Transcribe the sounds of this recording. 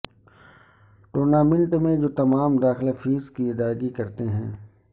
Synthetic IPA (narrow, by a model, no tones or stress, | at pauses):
ʈoːɾnaːmɪ̃ɳʈmẽd͡ʒoːt̪ɐmaːmd̪aːxɪlafʰiːskiɪd̪aːɡikɐɾt̪eɦɛ̰̃ː